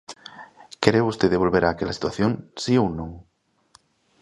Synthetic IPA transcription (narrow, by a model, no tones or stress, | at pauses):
keɾeust̪eðeβ̞o̞lβeɾʔaːkelasi̥t̪waθjõnsiownõŋ